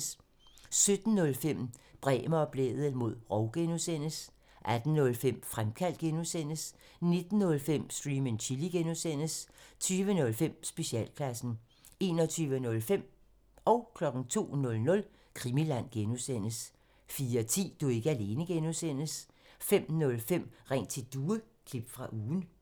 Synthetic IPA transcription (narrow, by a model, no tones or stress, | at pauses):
s | sød̥n̩ːɔ̽lfem̰b̥ʁɛ̰ːməɒ̽b̥lḛːð̩ˠəmo̝ð̰ˠʁɒ̽ʊɡ̥enusen̰əs | ʔæd̥n̩ːɔ̽lfem̰fʁamkʰæl̰d̥̚ɡ̥enusen̰əs | ne̝d̥n̩ːɔ̽lfem̰sd̥ʁiːment͡ɕʰiliɡ̥enusen̰əst͡sʰyːʋənɔ̽lfem̰sb̥e̝ɕɛ̰ːlkʰlæsn̩ | e̝ːnɒ̽t͡sʰyːʋənɔ̽lfem̰ | ɒ̽ʊkʰlɒ̽ɡ̥n̩t͡sʰo̝̰ːnɔ̽lnɔ̽l | kʰʁimilæn̰ɡ̥enusen̰əs | fiːɐt͡sʰḭːd̥ue̝ɡ̥əæle̝ːnəɡ̥enusen̰əs | fem̰nɔ̽lfem̰ʁɛ̰nt͡sʰe̝d̥uːə | kʰlib̥fʁɑ̈ʔuːn̩